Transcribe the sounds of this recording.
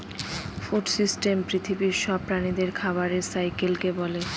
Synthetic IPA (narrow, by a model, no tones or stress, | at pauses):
fuʈsisʈempɾit̪ʰibiɾʃɔb̚pɾanid̪eɾkʰaβaɾeɾsajkelkebɔle